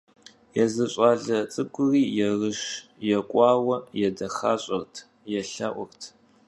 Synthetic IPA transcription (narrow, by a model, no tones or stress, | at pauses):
jɛzɐɕʼaːɮɐt͡sʼɨɡʷʊriːjɛrɨʂjɛkʷʼɑːwɐjɛdɐχaːɕʼɐrtʰ | jɛɬɐʔʷʊrtʰ